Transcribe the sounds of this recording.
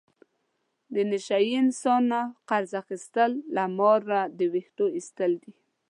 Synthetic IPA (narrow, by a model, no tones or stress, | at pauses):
d̪ənɪʃajiɪnsɑnaqaɾzaxist̪əlːamɑɾːad̪əwixʈoist̪əld̪i